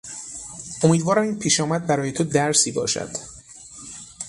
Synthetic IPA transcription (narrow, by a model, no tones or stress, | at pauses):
ʔomiːd̪vɒːɾæmiːnpʰiːʃɒːmæd̪̚bæɾɒːje̞t̪ʰod̪æɾsiːbɒ̰ːʃæ̰d̪̥